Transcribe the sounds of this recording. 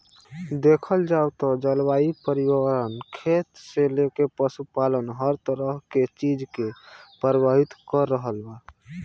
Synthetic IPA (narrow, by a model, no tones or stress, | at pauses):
d̪ekʰəld͡ʒawt̪ɔd͡ʒəlwaipəɾiwəɾənkʰet̪selekepəsupalənɦəɾt̪əɾəɦket͡ʃid͡ʒkepəɾbaɦit̪kəɾːəɦəlba